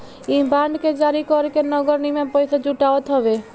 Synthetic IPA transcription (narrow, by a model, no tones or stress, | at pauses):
ibaɳɖked͡ʒaɾikɔɾkenɔɡɔɾnimãpɔjsʰɔd͡ʒuʈaɔt̪ɦɔbe